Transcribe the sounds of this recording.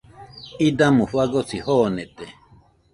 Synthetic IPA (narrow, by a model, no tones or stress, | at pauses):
id̪amũɸwaɡosihonet̪e